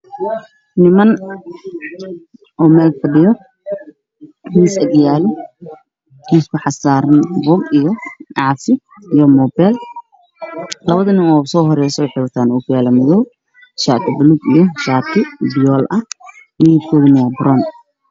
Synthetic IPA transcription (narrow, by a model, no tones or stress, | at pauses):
nɪmɐn | ʔɔːmɛːlfɐɖɪjɔ | hiːsɐd̪ɪjaːlɪ | ɪskʰʊħɑsaːɾɐnbɔːɡijɔɑsɪ | ijɔmɔːbɛːl | lɐβɐðɐnɪmɔːsɔːɦɔɾɛjsɔwɑħɛjwɐt̪ʰaːnuːkʰʊjaːlɐmɐðɔː | ʃaːk̪ʰɐbʊluɡḭjɞʃaːt̪ʰɪbɪjɔːlʔɐ | mijɪb̚kʰɔːðʊnɐwɑːbɾɔːn